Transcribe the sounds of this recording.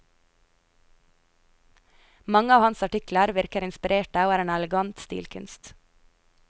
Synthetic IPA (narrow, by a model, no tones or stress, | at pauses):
mɑŋəɑːʋhɑnsɑʈɪkləɾʋɪɾkəɾɪnspɪɾeːʈəoːæːɾeːnɛləɡɑnt̪st̪ḭːlkʰʉnst̪